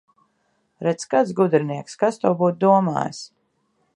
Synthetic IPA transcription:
ɾɛt̪skat̪sɡud̪ɾiniɛkskast̪uwbuːt̪̚d̪uɔma̰ːj̰s

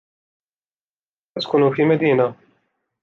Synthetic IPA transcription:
ɐt̪kuːnufimɐd̪iːnɐ

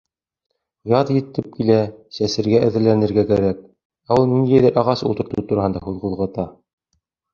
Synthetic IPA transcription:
jɑðjɘ̆t̪ːɘp̚kilæsæsɘ̆ɾɡæʔɘ̆ðɘ̆ɾlænɘ̆ɾɡækæɾæk̚ | æulˠnind̪æjðæɾʔɑʁɑsṵlˠt̪ɤ̆ɾt̪ɤt̪uɾɑhɤnd̪ɑhuðquðˠʁɤ̆t̪ɑ

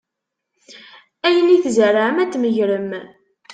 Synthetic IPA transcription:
æjəniθzərːaʕəmæt͡sːməʝɾəm

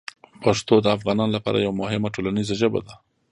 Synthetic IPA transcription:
paʂt̪od̪əafɣɑnɑnlapɑ̰ɾa̰jawamʊhɪmaʈolanizaʒəba̰d̪a

